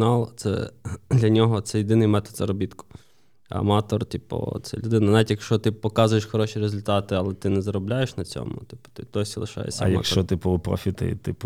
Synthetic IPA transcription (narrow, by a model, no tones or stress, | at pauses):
nɑlˠt̪sɛ̰d̪lʲɐnʲɔɦɔt̪sɛjɪd̪ɪnɪjmɛt̪ɔd̪zɐɾɔbʲit̪kʊ̥ | ɐ̰mɑt̪ɔrt̪ʲipɔ̰t̪sɛ̰lʲʊd̪ɪnɐnɑʋʲitʲjɐkʃt͡ʃɔt̪ɪpɔkɑzʊjeʃxɔɾɔʃʲiɾezʊlʲt̪ɑt̪ɪɐlˠɛt̪ɪnɛzɐɾɔblʲajeʃnɐt͡sʲɔ̰mʊ̰t̪ɪ̥pʊ̥t̪ɪd̪̥ɔsʲilˠɪʃɑ̰jḛsʲɐjɐ̰kʃt͡ʃt͡ʃɔt̪ɪpʊpɾɔ̰fʲit̪ɪ̰t̪ɪ̰p